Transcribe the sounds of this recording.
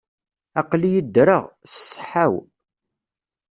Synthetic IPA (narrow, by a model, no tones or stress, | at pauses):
ɑqlijəd̪ːɾəʁssˤːħaw